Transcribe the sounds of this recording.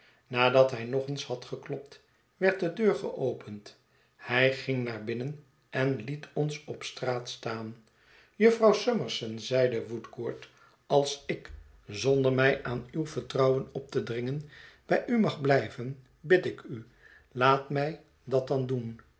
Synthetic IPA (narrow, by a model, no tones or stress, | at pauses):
naːdɑtɦɛjnɔχənshɑtχəklɔp̚t | ʋɛɹt̚dədøːɹχə̰ʔowpʰənt | hɛjχɪŋnaːɹbɪnən | ɛnlitʰɔnsɔpstraːtstaːn | jɵfrɑwsøməɹsənzɛjdəʋutkoːɹt | ɑlˠsɪk | zɔndəɹmɛjʔaːnywvəɹtrɑwənɔp̚tədrɪŋənb̥ɛjʔymɑχblɛjvən | bɪtɪkʰy | laːtmɛj | dɑt̚dɑndun